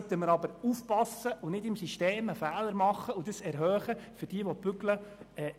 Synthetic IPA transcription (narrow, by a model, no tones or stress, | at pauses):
t̪əməɾɑbəɾuːfpɑsəʔʊnɪdɪmsiʃteːməfæːləɾmɑχːəudəsɛɾɦœːχəfʏɾd̥iəʋɔt̚b̥ʏɡləɛː